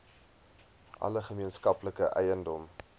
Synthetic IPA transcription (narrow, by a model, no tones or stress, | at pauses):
ʔɐ̰ləχəmiənskɐpləkəʔɛ̰jəndɔm